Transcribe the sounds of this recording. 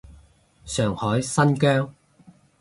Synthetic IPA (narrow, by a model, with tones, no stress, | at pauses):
sœː˨˩ŋhɔː˨˥jsɐ˥nkœː˥ŋ